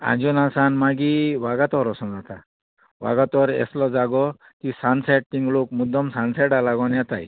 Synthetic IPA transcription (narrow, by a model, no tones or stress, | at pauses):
ã̰nd͡ʑunasanmaɡiʋaɡat̪ɔɾɔsɔnd͡zat̪a | ʋa̰ɡat̪ɔɾɛ̰slɔd͡zaɡɔ | kisansaʈ̚ːiŋɡlokmud̪ʱːɔmsansɛʈalaɡɔnjat̪a̰j